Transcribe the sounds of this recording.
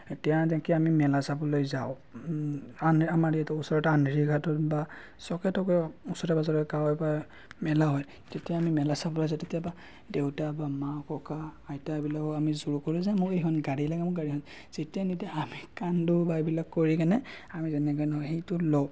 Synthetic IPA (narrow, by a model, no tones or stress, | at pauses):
tijadakɛamimɛlasabɔlojzaʊ | anamaɹiɛtɔusɔɹɔtanɹiɡʱatɔtba | sɔkɛtʰɔkɔusɔtabazɔɹɔkawjba | mɛlaɦɔj | tetijaːmimɛlasabɔlojzatetijaba | dewtabamakɔkaːjtabilakɔamizuɹukoɹuzamʊkejɦʰɔnɡaɹilaɡɛmʊkɡaɹiɦɔj | z̥etijanitiaamikandʊbaebilakːoɹikanɛamizɛnɛɡɔjnɔɦɔxejtʊlo